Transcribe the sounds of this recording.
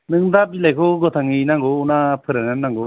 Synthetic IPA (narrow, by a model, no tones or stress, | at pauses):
nɯŋdapilajkʰoɡɔt̪ʰaŋinaŋɡɔunapʰɯɾɯnɯnːaŋɡɯ